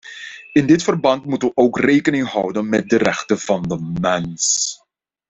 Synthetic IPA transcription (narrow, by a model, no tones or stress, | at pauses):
ɪndɪtfərbɑntmutəʋəowkreːkənɪŋɦɑwdənmɛt̚dərɛχtəv̥ɑndəmɛns